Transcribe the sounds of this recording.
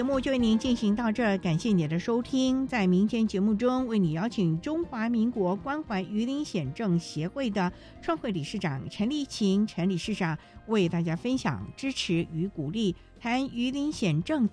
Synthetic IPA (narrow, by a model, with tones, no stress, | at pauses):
ɛ˧˥mu˥˧t͡ɕjo˥˧we˥˩ni˧˥nt͡ɕi˥˩nɕi˧˥ŋt̪̬ɑ˥˧ʊʈ͡ʂɤ˥˩ka˨˩nɕjɛ˥˩ni˨˩d̪ə˦ʂo˥ʊt̪ʰi˥ŋt͡sa˥˩ɪmi˧˥ŋt̪ʰjɛ˥nt͡ɕjɛ˧˥mu˥˩ʈ͡ʂʊ˥ŋwe˥˩ɪni˨˩jɑ˥ʊt͡ɕʰi˨˩ŋʈ͡ʂʊ˥ŋxwa˧˥mi˧˥ŋkwɔ˧˥kwa˥nxwa˧˥ɪy˧˥li˧˥nɕjɛ˨˩nʈ͡ʂɤ˥˩ŋɕjɛ˧˥xwe˥˩ɪd̪ə˩ | ʈ͡ʂʰwɑ˥˧ŋxwe˥˩ɪli˨˩ʂɻ̩˥˩ʈ͡ʂɑ̰˨˩˦ŋʈ͡ʂʰə˧˥nli˧˥t͡ɕʰi˧˥ŋʈ͡ʂʰə˧˥nli˨˩ʂɻ̩˥˩ʈ͡ʂɑ˨˩ŋwe˥˧ɪt̪a˥˩t͡ɕja˥fə˥nɕjɑ̰˨˩ŋʈ͡ʂɻ̩˥ʈ͡ʂʰɻ̩˧˥y˧˥ku˨˩li˥˩ | t̪ʰa˥ny˧˥li˧˥nɕjɛ˨˩nʈ͡ʂɤ˥˩ŋ